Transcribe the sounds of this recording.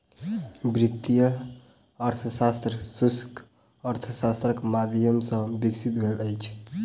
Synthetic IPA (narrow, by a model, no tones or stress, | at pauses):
bɾit̪ːijə | əɾt̪ʰəsast̪ɾəsusk | əɾt̪ʰəsast̪ɾəkmad̪ʱjəmsə̃biksit̪bʱeləjt͡ʃʰ